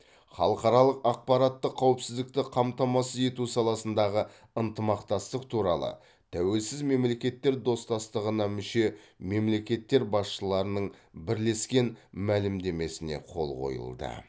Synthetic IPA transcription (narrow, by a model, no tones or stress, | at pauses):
χɑ̰lˠəqɑɾɑlˠəqɑq̚pɑɾɑt̪ːəqʰːɑwɪpsɪzd̪ɪk̚t̪ɪqʰɑmt̪ɑmɑsəe̞t̪usɑlˠɑsənd̪ɑʁə | ənt̪əmɑqt̪ɑst̪əq̚t̪ʰuɾɑ̰lˠə̰ | t̪ʰæwe̞lsɪzme̞mle̞kʲe̞t̪ːe̞ɾd̪o̞st̪ɑst̪əʁənɑmʏʃe̞me̞mle̞kʲe̞t̪ːe̞ɾbɑsʃəlˠɑɾənəɴbɪɾle̞skʲe̞nmælɪmd̪e̞me̞sɪne̞̰qʰo̞̰lˠqʰo̞̰jə̰lˠd̪ə̰